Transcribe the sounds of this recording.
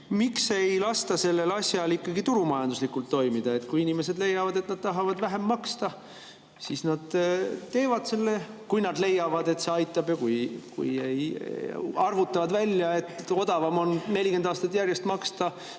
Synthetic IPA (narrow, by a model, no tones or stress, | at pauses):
mikse̞jlɑst̪ɑse̞lːe̞lɑsʲjɑlikːˑɑɡit̪uɾumɑjɑnd̪uslikult̪ːo̞jmid̪̥ɑe̞t̪kujinime̞se̞d̪le̞jːɑvɑd̪e̞t̪nɑd̪̥̚t̪ɑɦɑvɑd̪væɦe̞mːɑkst̪ɑ | sisnɑd̪̥t̪e̞ːvɑd̪̥se̞lːe̞kujnɑd̪le̞jːɑvɑd̪e̞t̪se̞ɑjt̪ːˑɑb̥jɑkujkṵjej | ɑrvut̪ːˑɑvɑd̪vælʲjɑe̞t̪ːˑo̞d̪̥ɑvɑmo̞nne̞lʲike̞nd̪ɑːst̪ɑt̪ːˑjærjest̪mɑkst̪ɑ